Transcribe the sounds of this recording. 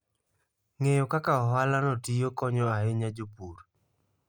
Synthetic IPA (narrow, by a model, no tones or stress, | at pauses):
ŋejɔkakaɔɦalanɔtijokɔɲɔaeɲad͡ʒopuɾ